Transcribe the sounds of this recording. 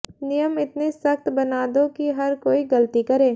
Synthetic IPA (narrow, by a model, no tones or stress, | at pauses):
nɪjəmɪt̪nesɐkt̪bɐnaːd̪õkiɦɐɾkoːiɡɐlt̪ikɐɾẽː